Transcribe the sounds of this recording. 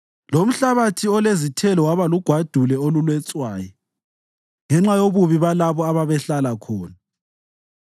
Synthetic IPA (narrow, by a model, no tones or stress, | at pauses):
lom̩ɬaβatʰiɔlezitʰɛlɔwaβaluɡ̥ʱwad̥ʱulɛolulwɛt͡sʼwaːjɔ | ŋɛŋ͡ǁajoβuβiβalaβɔaβaβɛɬalakʰɔːna